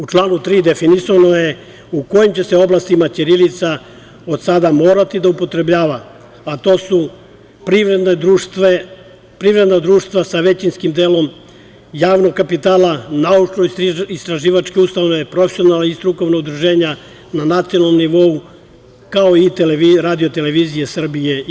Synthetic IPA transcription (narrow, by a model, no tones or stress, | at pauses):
ut͡ʃlˠaːnut̪ɾiːd̪e̞finisanoje̞ | uko̞jimt͡ɕe̞se̞oblˠast̪imat͡ʃ̪iɾilit̪sa | o̞d̪sad̪amo̞ːɾat̪id̪aupo̞t̪ɾe̞bʎaːʋa | at̪o̞ːsu | pɾiʋɾed̪ned̪ɾut̪e | pɾiʋɾe̞d̪nad̪ɾuːʃt̪ʋasaʋe̞t͡ɕinskimd̪eːlo̞m | jaːʋno̞ɡkapit̪aːlanaut͡ʃnoist̪ɾaʒiːʋat͡ʃkeust̪aʋnepɾo̞fesionalaist̪ɾuko̞ʋnoɡd̪ɾuʒe̞ːɲa | nanat̪sionalnːomniʋo̞u | kao̞it̪eleiɾaːd̪ijo̞t̪e̞le̞ʋizije̞sr̩bije̞